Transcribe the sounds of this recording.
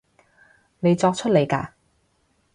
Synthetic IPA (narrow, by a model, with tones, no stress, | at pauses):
ne˨˧jt͡sɔː˧k̚t͡ʃʰɵ˥t̚le˨˧jka̰ː˧